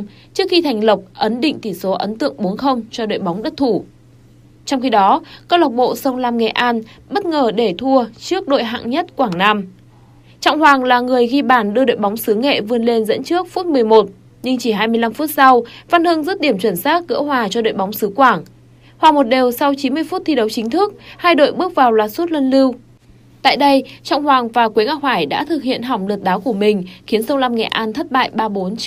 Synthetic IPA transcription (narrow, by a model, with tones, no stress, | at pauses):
t͡ɕɨ˦˥əkxi˧t̪ʰa˨˩jŋ̟lə˨˩wk͡p̚ʔə˨˦nɗḭ̈˧˨ŋ̟t̪ʰi˧˩so˨˦ʔə˨˦nt̪ɨ̰˧˨əŋɓo˨˦ənxə˧wŋ͡mt͡ɕɔ˧ɗo̰˧˨jɓɔ˨˦wŋ͡mɗə˦˥t̚t̪ʰu˧˩ | t͡ɕɔ˧wŋ͡mxi˧ɗɔ˨˦kə˧wla˨˩wk͡p̚ɓo̰˧˨sə˧wŋ͡mlaː˧mŋɛ˨˩ʔaː˧nɓə˦˥t̚ŋəː˨˩ɗe˧˩t̪ʰu˧ət͡ɕɨ˦˥ək̚ɗo̰˧˨jɦa̰ː˧˨ŋɲə˦˥t̚kwaː˧˩ŋnaː˧m | t͡ɕɔ̰˧˨wŋ͡mɦwaː˨˩ŋlaː˨˩ŋɨ˨˩əjɣi˧ɓaː˧˩nɗɨ˧əɗo̰˧˨jɓa˨˦wŋ͡msɨ˨˦ŋḛ˧˨vɨ˧ənle˧nzə̰˧˥nt͡ɕɨ˦˥ək̚fu˦˥t̚mɨ˨˩əjmo˨˩t̚ | ɲɨ˧ŋt͡ɕi˧˩ɦaː˧jmɨ˧əjla˧mfu˦˥t̚sa˧wva˧nhɨ˧ŋzɨ˦˥t̚ɗi˧˩əmt͡ɕə˧˩nsaː˦˥t̚ɣə̰ː˧˥hwaː˨˩t͡ɕɔ˧ɗo̰˧˨jɓɔ˨˦wŋ͡msɨ˨˦kwaː˧˩ŋ | hwaː˨˩mo˨˩t̚ɗe˨˩wsa˧wt͡ɕi˨˦nmɨ˧əjfu˦˥t̚t̪ʰi˧ɗə˨˦wt͡ɕï˨˦ŋt̪ʰɨ˦˥ək̚haː˧jɗo̰˧˨jɓɨ˦˥ək̚vaː˨˩wlaː˨˩t̚su˦˥t̚lə˧nli˧w | t̪a̰ː˧˨jɗə˧jt͡ɕɔ̰˧˨wŋ͡mhwaː˨˩ŋvaː˨˩kwi˨˦ŋaː˧˩waː˧˩jɗa̰ː˧˥t̪ʰɨ˨˩k̚hḭ˧˨ənɦa˨˩wŋ͡mlɨ˨˩t̚ɗaː˨˦wku˧˩əmï˨˩ŋ̟xi˨˦ənsə˧wŋ͡mla˧mŋɛ̰˧˨ʔaː˧nt̪ʰə˦˥t̚ɓa̰ː˧˨jɓaː˧ɓo˨˦n